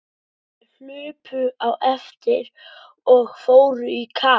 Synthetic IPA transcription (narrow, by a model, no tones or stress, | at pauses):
hʏːpʏawʔɛft̪ɪɾ | ɔɣfoːwɾʏikʰaː